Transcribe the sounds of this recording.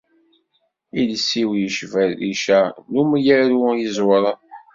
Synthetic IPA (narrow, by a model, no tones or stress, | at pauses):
ilsiwjəʃvælḭʃænumjəɾujəzwɾˤɑ